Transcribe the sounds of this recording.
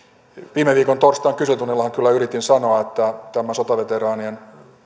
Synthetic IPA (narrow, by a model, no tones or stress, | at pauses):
ʋiːmeʋiːkont̪orst̪ɑːŋkysøt̪unelːɑhɑŋkylːæyɾit̪insɑnoɑet̪ːæt̪æmæsot̪ɑʋet̪erɑːnien